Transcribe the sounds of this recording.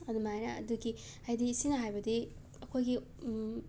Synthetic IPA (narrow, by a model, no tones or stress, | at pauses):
ɐdumajnɐ̰ːduɡi | hajdisinɐɦajbɐdi | ɐkʰojɡi